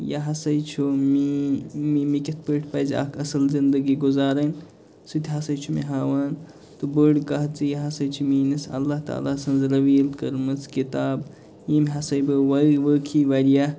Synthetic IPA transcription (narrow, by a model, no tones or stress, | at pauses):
jaɦɐsɐjt͡ʃʰumimimikʲɐt̪̚ʰpəʈʰpɐːzʲa̰ːkʰɐsɐlzind̪əɡiɡuzaːɾɐn | sut̪ʲʰɦɐsɐjt͡ʃʰumḭɦaːʋaːn | t̪ubəɽkɐɦ̪t͡sɨjaɦɐsɐjt͡ʃʰumiːnɐsɐ̰lːaht̪a̰ːlaːsɐnzɾɐʋiːlkɐɾmɐt͡skit̪aːb | jimʲɦɐsɐjbɨʋɐʋəkʰiʋɐɾija